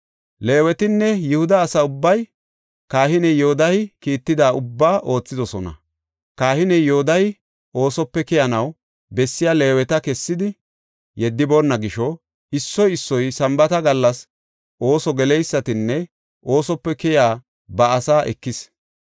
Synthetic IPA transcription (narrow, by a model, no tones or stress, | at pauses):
leːwɛt̪ɪnːɛjɪhʊd̪ɐːsɐʊbːɐj | kaːhɪnɛjohʊd̪ɐjɪkiːt̪ːɪd̪aːʊbːaːʔo̞ːt͡sːɪd̪ɔsɔnɐ̰ | kaːhɪnɛjoʊd̪ɐj | ʔo̞ːsɔpːɛkɛjɐnɐw | bɛsːɪjaːle̞ːwɛt̪ɐkɛsːɪd̪ɪ | jɛd̪ːɪboːnːɐɡɪʃɔ | ɪsːɔjɪsːɔjsɐmbɐt̪ɐɡɐlːɐs | ʔo̞ːsɔɡɛlɛjsːɐt̪ɪnːɛ | ʔo̞ːsɔpːɛkɛjaː | bɐːsaːʔɛkːɪs